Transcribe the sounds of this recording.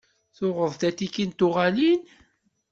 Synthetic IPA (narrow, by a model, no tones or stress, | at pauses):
θʊʁəðˤt̪æt̪ikːint̪ʊʁalin